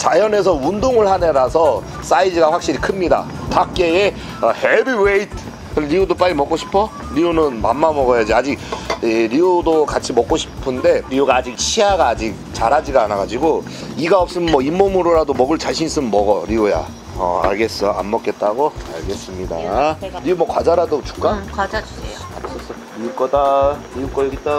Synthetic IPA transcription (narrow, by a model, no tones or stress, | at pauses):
t͡ɕajʌne̞sʰʌundoŋɯɭhaneɾasʰʌ | s͈aid͡ʑiɡaɸwak̚ɕ͈iɾikʰɯmɲida̰ | pak̚k͈e̞e̞ | ʌhebiweitʰ | ɾiodop͈aɾimʌk͈oɕʰi̥pʰʌ | ɾionɯnmamːamʌɣʌjad͡ʑiad͡ʑik̚eɾiudokat͡ɕʰimʌk͈oɕʰi̥pʰɯnde̞ɾioɡaːd͡ʑik̚ɕʰiaɡaːd͡ʑik̚t͡ɕaɾad͡ʑiɡaːnaɡad͡ʑiɡo | iɡaʌp̚s͈ɯmmʌimːomɯɾoɾadomʌɡɯɭt͡ɕaɕʰinis͈ɯmnmʌɡʌɾioja̰ | ʌ̰a̰ɭɡe̞s͈ʌja̰mːʌk͈e̞t̚t͈aɡoa̰ɭɡe̞s͈ɯmɲida̰ɾiomʌkwad͡ʑaɾadot͡ɕu̥k͈a | a̰s͈ʌs͈ʌ | ɾiuk͈ʌdaɾiuk͈ʌjɡit͈̚a